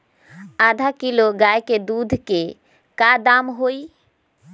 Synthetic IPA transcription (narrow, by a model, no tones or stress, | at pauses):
ad̪ʱakiloɡajked̪ud̪ʱke | kad̪amɦoi